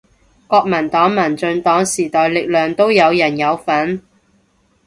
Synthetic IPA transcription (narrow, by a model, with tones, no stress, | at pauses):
kɔː˧k̚mɐ˨˩nt̪ɔː˨˥ŋmɐ˨˩nt͡sɵ˧nt̪ɔː˨˥ŋsiː˨˩t̪ɔː˨˧jlɪ˨k̚lœː˨ŋt̪o˥wjɐ˨˧wjɐ˨˩njɐ˨˧wfɐ˨˥n